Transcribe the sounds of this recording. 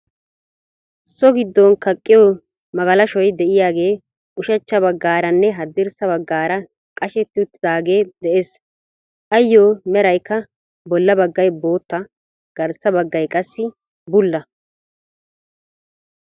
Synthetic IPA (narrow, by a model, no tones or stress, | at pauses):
sɔɡɪd̪ːɔnkɐkʼːɪjoː | mɐɡɐlɐʃɔjd̪ɛʔɪjaːɡe̞ː | ʔʊʃɐt͡ʃːɐbɐɡːaːɾɐnːɛɦɐd̪ːɪɾsɐβɐɡːaːɾɐ | kʼɐʃɛt̪ːɪʊt̪ːɪd̪aːɡe̞ːd̪ɛeːs | ʔɐjːoːmɛɾɐjkːɐ | bɔlːɐbɐɡːɐjbo̞ːt̪ːɐ | ɡ̥ɐɾsɐbɐɡːɐjkʼɐsːɪ | bʊlːɐ